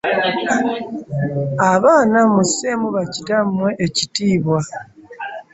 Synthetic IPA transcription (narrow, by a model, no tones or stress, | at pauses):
aβaːnamuseːmuβacitamwe̞ʔecitiːβwa